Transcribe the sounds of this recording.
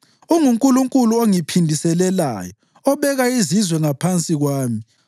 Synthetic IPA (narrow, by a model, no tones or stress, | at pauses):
uŋuŋkʼuluŋkʼuluoŋipʰindʱisɛlɛla̰ːjɔ | ɔβɛɣaizizwɛŋapʰant͡sʼiɣwaːmi